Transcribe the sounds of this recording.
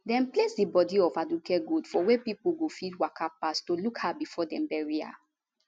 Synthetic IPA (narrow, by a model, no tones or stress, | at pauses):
dɛ̃nplesdibɔdiɔfadukɛɡudfɔwepipuɡofidwakʰapastolukhabifɔdɛ̃mbɛɹia̰